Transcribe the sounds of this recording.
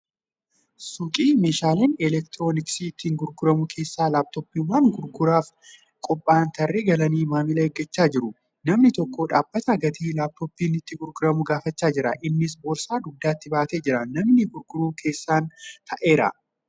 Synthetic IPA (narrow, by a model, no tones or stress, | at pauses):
sʊkʼiːmeːʃaːleːnɛlɛk̚t̪ɾoːnɪksiːt̪ːiːŋɡʊɾɡʊɾɐmʊkʰe̞ːsːaːlaːb̚t̪ɔpːiːʊmaːŋɡʊɾɡʊɾaːf | kʼɔpʼːaːnt̪ʰɐrːeɡɐlɐniːmaːmɪlɐɛɡːɐt͡ʃːaːd͡ʒɪɾʊ | nɐmnɪt̪ɔkːoːᶑaːbːɐt̪ɐɡɐt̪ʰiːlaːb̚t̪opːiːnɪt̪ːɪɡʊɾɡʊɾɐmʊɡaːfɐt͡ʃːaːd͡ʒɪɾɐ̰ʔɪnːɪs̬boːɾsaːd̪ʊd̪ːaːt̪ːɪbaːt̪eːd͡ʒɪɾɐnɐmnɪɡʊɾɡʊɾuːkʰe̞ːsːaːnt̪ʰɐʔe̞ːɾɐ̰